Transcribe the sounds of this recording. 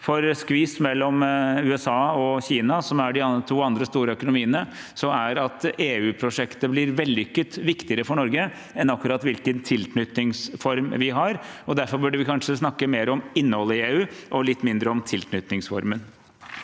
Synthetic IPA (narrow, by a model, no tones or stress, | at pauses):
fɔɾskʋiːsmɛlːɔmʉːɛsɑːɔçiːnɑsɔmæɖɪɑt̪ʰuːɑnd̪ɾəst̪uːɾəœkʊnʊmiːənəsɔæɾɑt̪eːʉːpʰɾʊʂɛkt̪əblɪɾʋɛld̪ɪʏkːət̪ʋɪkt̪ɪəɾəfɔɳɔɾɡə | ɛnɑkːʉɾɑt̪ʋɪlkənt̪ʰɪlknʏt̪nɪŋsfɔɾmʋɪɦɑɾɔd̪æɾfɔɾbʉɖəʋɪkʰɑnʂəsnɑkːəmeːɾɔmɪnːəhɔlːəɪeːʉːʔɔlɪt̪ːmɪnd̪ɾəɔmt̪ʰɪlknʏt̪nɪŋsfɔ̰ɾmən